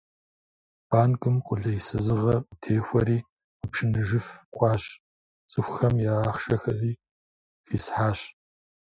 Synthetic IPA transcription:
b̥aːnkʼɨmqʷʼʊɮɐjisɨzɨʁɐtʰeːxʷɐɾiː | ʊpʂɨnɨʒɨfqʷʼɑːɕ | t͡sʼɨxʷxɐmjaaːχʃɐxɐʔiː | xiːsħaːɕ

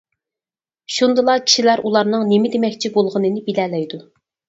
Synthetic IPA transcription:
ʃund̪ɨlˠɑkʲʰi̥ʃilæɾʔulˠɑɾnɨŋnemɪd̪emɛkʲt͡ʃʰibolˠʁənɨnɨbilɛːlɛjd̪u

